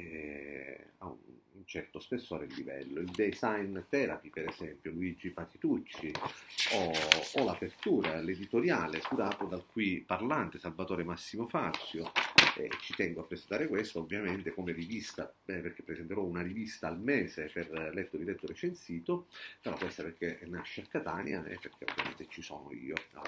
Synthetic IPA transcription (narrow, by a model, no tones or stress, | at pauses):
ɛ | a̰ṵnnt͡ʃɛrt̪ospesːoːɾeilːivɛ̰lːoild̪ezajnt̪ɛːɾa̰pipeɾezɛmpjoluid͡ʒipat̪it̪ut͡ʃːioːlapert̪uːɾaled̪it̪oɾjaːlekuɾaːt̪od̪alkuiparlant̪esalvat̪oːɾemasːimofat̪sjoɛ̰t͡ʃːit̪ɛŋɡoapːɾesent̪aːɾekwest̪aovːjament̪ekomerivist̪a̰perk̟epːɾesɛnt̪eɾɔunarivist̪aːlmɛːseperlɛt̪ːoɾilɛt̪ːoɾet͡ʃensiːt̪opeɾɔkwest̪aperk̟enaʃːeakːat̪a̰ːnj̰a̰ɛ̰pːerk̟ʰeo̰vːja̰mḛnt̪et͡ʃisɔ̰ːno̰ḭːo